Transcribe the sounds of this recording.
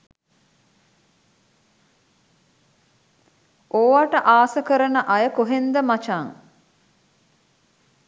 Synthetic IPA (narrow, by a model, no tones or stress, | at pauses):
ʔoːʋaʈəʔaːsəkəɾənəʔajəkoɦend̪əmat͡ʃaŋ